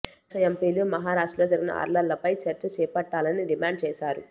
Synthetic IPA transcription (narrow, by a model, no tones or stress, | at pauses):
ɐempiːlumɐɦaːɾaːʂʈloːd͡ʒɐɾiɡinɐ̰ʔɐ̰ɾlɐllɐpɐjt͡ʃɐɾt͡ʃːɐt͡ʃɛːpɐʈːaːlɐniɖimaːɳɖ̚t͡ʃɛːʃaːɾu